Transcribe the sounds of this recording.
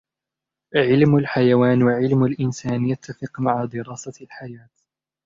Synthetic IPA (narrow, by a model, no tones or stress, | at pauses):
ʕɪlmalħajawaːnwaʕɪlmalʔɪnsaːnjat̪ːafɪqmaʕad̪ɪɾɑːsalħajaːt̪